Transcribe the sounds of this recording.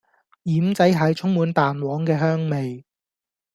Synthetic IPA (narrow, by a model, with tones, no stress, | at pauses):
jiː˨˥mt͡sɐ˨˥jɦɐ˨˧jt͡ʃʰʊ˥ŋmuː˨˧nt̪aː˨nwɔː˨˥ŋkɛː˧ɦœː˥ŋme˨j